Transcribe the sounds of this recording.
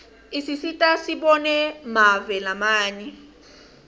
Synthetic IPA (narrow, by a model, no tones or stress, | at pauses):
isisitʼasiɓɔnɛmavɛlamaːɲɛ